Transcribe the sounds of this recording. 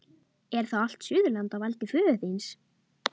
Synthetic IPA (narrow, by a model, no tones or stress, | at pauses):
ɛɾ̥θaal̥t̪sʏːðʏlant̪avajlt̪ɪfʏːʏθejns